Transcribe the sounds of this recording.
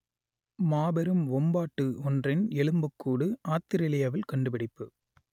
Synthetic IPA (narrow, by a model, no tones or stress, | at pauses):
maːbɐɾɯmʋɔmbaːʈːɯɔndrɪnɛlɯmbɯkːuːɽɯaːt̪ːɪɾɪlɪjɐʋɪlkɐɳɖɯpɐɽɪpːɯ